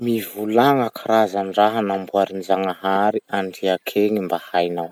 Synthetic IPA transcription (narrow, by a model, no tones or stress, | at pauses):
mivulaŋakʰaɾazanraɦanambuaɾinzaŋaɦaɾiaɳɖ͡ʐiakʰeŋimbahajnaw